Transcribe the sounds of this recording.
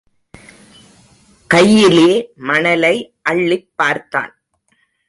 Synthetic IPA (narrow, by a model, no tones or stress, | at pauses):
kɐjːɪleːmɐnɐlɐɪʔɐɭːɪpːaːɾt̪ːa̰ːn